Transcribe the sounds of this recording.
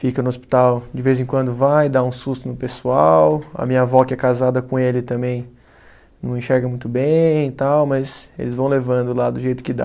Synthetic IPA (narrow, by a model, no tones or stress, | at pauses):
fikɐnʊospi̥t̪awd͡ʒɪvejzẽkwɐ̃nd̪ʊvajd̪aũsust̪ʊnʊpesuawɐ̰mĩɲɐvɔkɪɛkazad̪ɐkõelɪt̪ɐ̃mbẽj̃ | nɐ̃w̃ẽʃɛɾɡɐ̃mũj̃t̪ʊbẽj̃t̪awmɐzḛlɪzvɐ̃w̃levɐ̃nd̪ʊlad̪ʊʒejt̪ʊ̥kɪd̪a̰